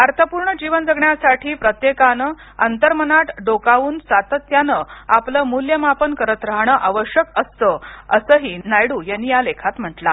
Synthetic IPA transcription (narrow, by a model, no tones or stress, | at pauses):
ʋaɾt̪əpuːɾɳəd͡ʑiʋənd͡zəɡɳjasaʈʰiːpɾət̪jekanə | ənt̪əɾmənaʈɖokauːnsat̪ət̪janəapləːmuljəmapənkəɾət̪ɾəɦɳəʔaʋəɕjəkəst̪əəsəɦiːnajɽuːjanːijalekʰat̪m̤əʈla̰